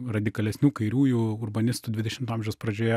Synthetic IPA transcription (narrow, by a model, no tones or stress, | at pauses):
rɐd̪ʲɪkɐlʲɛsʲnʲuːkɐɪɾʲuːjuːʊrbɐnʲɪst̪ud̪ʲʋʲɪd̪ʲɛʃʲɪmt̪ɑmʲʒʲɛʊspɾɐd͡ʒʲoːjɛ